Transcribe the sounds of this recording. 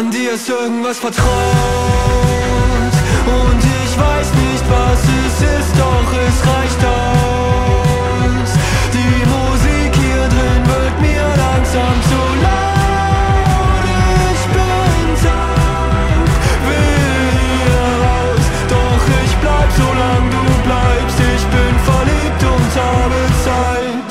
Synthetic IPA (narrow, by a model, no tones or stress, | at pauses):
ndiːɛstʔɪɐɡŋ̩tv̥asfɛɐtʁ̥a | tʔʊntɪçv̥aɪsnɪçtv̥asɪsɪst̚d̥ɔχɛsʁaɪçtaʊʊ | sd̥iːmuziːkhiːɐdʁɪnvɪɐtmiːɐlaŋzaːmzo | la | sb̥ɪ | nza | tv̥ɪ | iːɛʁaʊs | d̥ɔχɪçb̥laɪbəzolaŋviduːblaɪpstɪçb̥ɪnfɛɐliːp̚tʊnthabət͡saɪt